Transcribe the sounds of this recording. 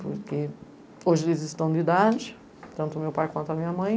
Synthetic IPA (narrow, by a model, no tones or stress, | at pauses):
pṵɾkɪ | oʒlizɪʃt̪ɐ̃w̃d̪id̪ad̪ʊʃ | t̪ɐ̃nt̪ɔmewpajkwɐ̃nt̪amiɲɐmɐ̃j̃